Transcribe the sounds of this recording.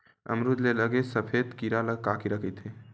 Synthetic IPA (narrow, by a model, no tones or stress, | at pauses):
ə̰mɾud̪leləɡesəpʰed̪kiɾaləɡkakiɾəkʰət̪ɦe